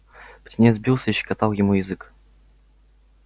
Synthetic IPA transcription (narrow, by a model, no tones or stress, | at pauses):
ptʲɪnʲezʲbʲilˠsʲəiɕːɪ̥kat̪alˠjɪmujɪzɨk